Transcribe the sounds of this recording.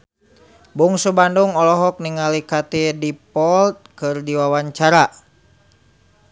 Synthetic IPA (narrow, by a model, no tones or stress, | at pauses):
buŋsubanduŋɔlɔɦɔk̚niŋalikat̪idipɔlt̪̚kɨrdiwawaɲt͡ʃaɾa